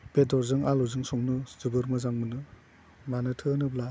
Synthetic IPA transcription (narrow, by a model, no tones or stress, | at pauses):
b̥edɔɾzɯŋaluzɯŋsɔŋnɯz̥ɯbɯɾmɯzaŋmɯnɯ | manɯtʰɯnɯbla